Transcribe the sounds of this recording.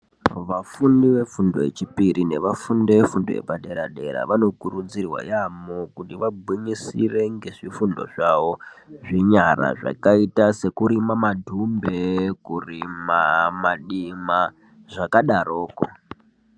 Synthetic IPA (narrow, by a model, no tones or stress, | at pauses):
ʋafundiʋe̞fundo̞ḛt͡ʃipiɾine̞ʋafundeʋefundojḛpaɗe̞ɾaɗe̞̰ɾa̰ʋano̞kuɾud͡zirwa̰jamokutiʋabʱwiɲisire̞ŋɡe̞ʐifundo̞̰ʐaʋo̞ʐiɲara̰ʐa̰kaitase̞kuɾimamadʱumbekurimamaɗima | ʐakaɗaɾoːko̰